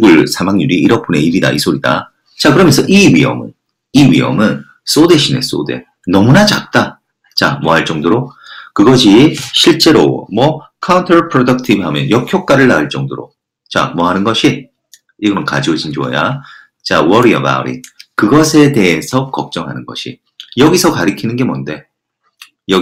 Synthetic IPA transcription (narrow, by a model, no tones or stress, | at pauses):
uɭsʰamaŋɲuɾiiɾʌpʰone̞iɾida̰isʰoɾida̰ | t͡ɕak̬ɯɾʌmjʌnsʰʌʔiɥiɦʌ̰mɯ̰n | iɥḭʌ̰mɯn | s͈ode̞ɕʰine̞̰s͈o̰de̞̰ | nʌmunat͡ɕak̚t͈a | t͡ɕamwʌɦaɭt͡ɕ͈ʌŋdoɾokɯɡʌɕʰiɕʰiɭt͡ɕ͈e̞ɾo̰mwʌkʰauntʰʌɾpʰɾodʌk̚tʰibhamjʌ̰njʌkʰjok͈aɾɯɭːaɯɭt͡ɕ͈ʌŋdoɾo̰ | t͡ɕa̰mwʌɦanɯnɡʌɕʰi | iɡʌnɯnkad͡ʑiod͡ʑind͡ʑoʌ̰ja | t͡ɕa̰wʌɾiʌ̰ba̰ṵɾḭkɯɡʌsʰe̞de̞esʰʌkʌk̚t͡ɕ͈ʌŋɦanɯnɡʌ̰ɕʰi | jʌɡisʰʌkaɾikʰinɯnɡe̞monde̞ | jʌ